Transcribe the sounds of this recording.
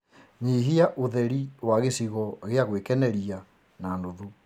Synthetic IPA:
ɲiɦiaʔuðɛɾiwaɣesiɣɔɣeaɣwekɛnɛɾia | nanoðu

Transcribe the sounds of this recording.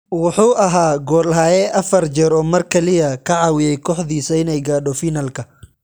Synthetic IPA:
wʊħuːʔɐɦaːɡɔːlɦaːjɛʔɐfɐrd͡ʒɛɾɔːmɐrkʰɐlɪjɐkʰɐʕɑːwɪjɛjkʰɔːħðiːsɐɪnɛjɡaːɖɔfiːnɐlkʰɐ

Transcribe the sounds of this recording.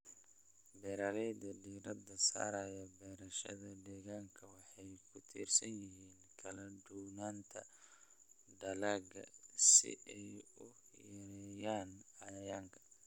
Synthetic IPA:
bɛːɾaːlɛjd̪ɐɖiːɾɐd̪ɐsa̰ːɾɐjɐbɛːɾɐʃɐ̰ðɐdɛːɣaːŋkʰɐwɑħɑjkʰʊt̪ʰḭːrsɐnjɪɦiːnkʰɐlɐɖuwnaːnt̪ʰɐ | ɖɐlaːɡɐ̰sɪ̰ʔɛjʊ | jɐɾɛjaːnɐjɐjaːŋkʰɐ̥

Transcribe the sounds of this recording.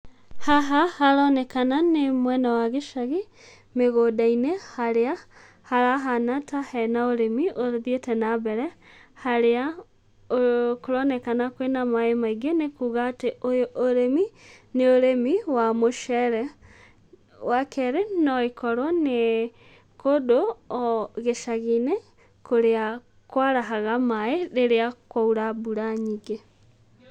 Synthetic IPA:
haɦahaɾɔnɛkananemwɛːnawaɣeʃaɣe | meɣodainɛhaɾea | haɾaɦanatahɛnaoɾemioðietɛnaβɛɾɛ | haɾea | okoɾɔnɛkanakwenamaemaiɡenekuːɣaːteojoʔoɾemineoɾemiwamoʃɛɾɛ | wakɛɾenɔekɔɾwɔne | kodo | ɣeʃaɣine | koɾea | kwaɾaɦaɣamaeɾeɾeakwauɾabuɾaɲiɡe

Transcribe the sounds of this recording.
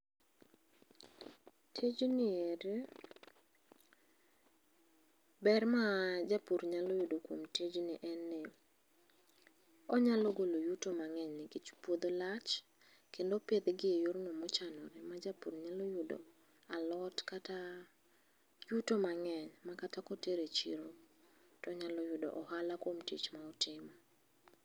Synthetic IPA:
tʰed͡ʒonɪeɾe | bɛrmad͡ʒapuɾɲalɔjʊdokwomted͡ʒnɪʔɛnːe | ɔɲalɔɡolojutomaŋɛɲnɪɡit͡ʃpwod̪olat͡ʃ | kendopɪed̪ɡɪejoɾnomɔt͡ʃanɔɾɛmad͡ʒapurɲalojʊdo̰ | alɔtkata | jutomaŋɛɲmakatakɔteɾet͡ʃiɾotɔɲalɔjʊdo̰ʔɔhalakwomtḭt͡ʃmaɔtɪmɔ

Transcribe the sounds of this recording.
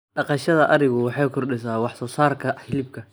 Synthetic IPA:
ɖɑqɑʃɐðɐʔɐɾɪɣʊwɑħɑjkʰʊrɗɪs̬aːwɑħsɔːsaːrkʰɐħɪlɪb̚kʰɐ

